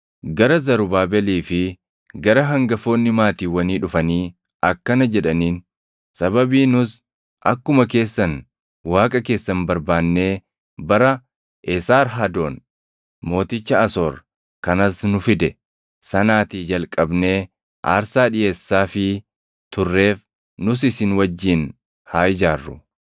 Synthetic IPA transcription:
ɡɐɾɐzɐɾʊbaːbɛliːfɪ | ɡɐɾɐɦɐŋɡɐfo̞ːnːɪmaːt̪iːwɐniːᶑʊfɐniː | ʔɐkːɐnɐd͡ʒɛᶑɐniːn | sɐbɐbiːnʊs | ʔɐkːʊmɐk̬e̞ːsːɐn | waːkʼɐke̞ːsːɐnbɐɾbaːnːe̞ː | bɐɾɐ | ʔɛsaːɾɦɐd̪o̞ːn | mo̞ːt̪ɪt͡ʃːɐɐsoːɾ | kɐnɐsnʊfɪd̪ɛ | sɐnaːt̪iːd͡ʒɐlkʼɐbne̞ː | ʔa̰ːɾsaːᶑɪje̞ːsːaːfɪ | t̪ʊrːe̞ːf | nʊs̬ɪsɪnwɐd͡ʒːiːn | haːjɪd͡ʒaːrːʊ̰

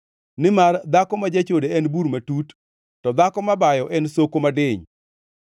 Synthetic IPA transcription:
nɪmard̪akɔmad͡ʒat͡ʃodeɛnbuɾmatut | tɔd̪akɔmabajɔʔɛnsokomadɪɲ

